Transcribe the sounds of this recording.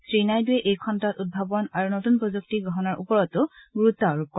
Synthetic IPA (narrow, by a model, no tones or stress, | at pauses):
sɹinajduɛʔejkʰɔntatud̚bʱabɔnaɹunotunpɹɔzuk̚tiɡɔɦɔnaɹʔupɔɹɔtʊɡuɹutːɔɹup̚kɔ